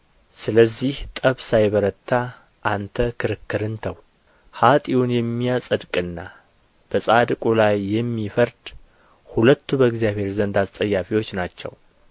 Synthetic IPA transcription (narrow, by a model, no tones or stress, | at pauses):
sɨləzːiht̪ʼəβsajβəɾət̪ʰːa | ʔant̪ʰəkʰɨɾɨkʰːɨɾɨnt̪ʰəw | hat̪ʼiwunjɛmːijasʼəd̪kʼɨnːa | b̥əsʼad̪kʼulajːɛmːifəɾd̪̥ | hulət̪ʰːubəɨɡzijaβhe̞ɾzənd̪ast̪ʼəjːafiwo̞t͡ʃːnat͡ʃːɛ̰w